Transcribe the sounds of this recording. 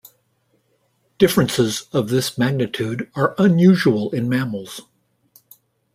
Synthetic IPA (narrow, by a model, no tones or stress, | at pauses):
d̥ɪfɹɨ̃nsɪzʌvðɪsmæɡ̚nɨtʰʉɾə˞ʔə̃njʉʒuəl̩ˠɪ̃nmæml̩ˠz̥